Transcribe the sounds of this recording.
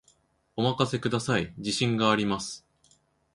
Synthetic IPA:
o̞makase̞kɯd̪asaid͡ʑiɕĩŋɡaːɾʲimasɨ̥

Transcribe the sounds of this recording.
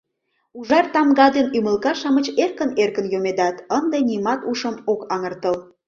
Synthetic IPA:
uʒɑrt̪ɑmɡɑd̪enyməlkɑʃɑmət͡ɕerkənerkənjomed̪ɑt̪ənd̪enimɑt̪uʃəmokɑŋərt̪əl

